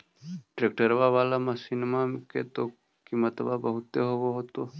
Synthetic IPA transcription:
ʈɾeːk̚ʈəɾʋaʋaːlamãsɪnmaket̪o | kimət̪babəɦʊt̪ːeɦowoɦoːt̪o

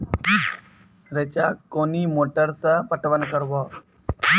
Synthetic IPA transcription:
ɾet͡ɕakːonimoʈəɾsapəʈʋənkəɾʋɔ

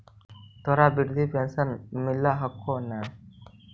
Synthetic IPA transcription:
t̪ɔɾabiɾd̪ʱipɛnsɐnmilːaɦɐkːonːan

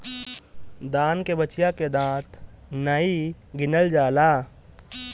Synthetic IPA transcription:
d̪aːnkebət͡ʃjaked̪ãːt̪ʰnəiɡɪnəld͡ʒaːlaː

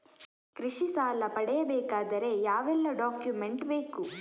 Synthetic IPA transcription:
kɾiʂisaːlɐpɐɽɛjɐbɛːkaːd̪ɐɾe̞jaːʋɛlːɐɖaːkjume̞ɳʈbe̞ːku

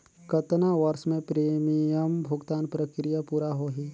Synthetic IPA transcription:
kət̪naʋɐɾsmẽpɾeːmijəmbʱʊɡt̪aːnpɾəkɾijapuːɾaɦoːɦi

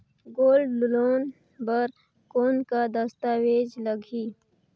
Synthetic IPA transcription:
ɡoːlɖlʊloːn | bəɾ | koːnkad̪ɐst̪aːweːd͡ʒləɡʱiː

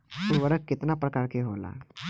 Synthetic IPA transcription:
puɽʋəɽəkːet̪napɾəkaɭkeɦola̰

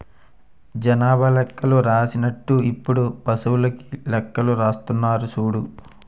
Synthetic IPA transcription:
d͡ʒɐnaːbʱɐlɛkːɐluɾaːsinɐʈːuipːuɽupɐsuwulɐki̥lɛkːɐluɾaːst̪unːaːɾusuːɽu

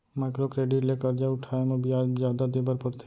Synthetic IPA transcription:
maɪkɾokɾeːɖɪʈlekəɾd͡ʒaʊʈʰaːemẽbʱiazjaːd̪ad̪ebəɾpəɾt̪ʰ

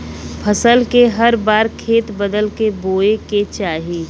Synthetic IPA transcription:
pʰəsəlkeɦɐɾbaːɾkʰeːt̪bəd̪əlkeboːeket͡ʃaːɦiː

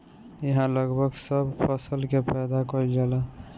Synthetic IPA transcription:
jəɦãləɡbʱəɡsəbpʰəsəlkepʰɛjd̪akɔild͡ʒala

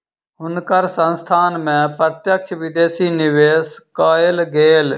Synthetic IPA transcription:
ɦʊnkəɾsə̃nst̪ʰaːnmɛ̃ːpɾət̪jəkʃʰʋɪd̪eːsiːnɪʋeːskaːɪlɡeːl

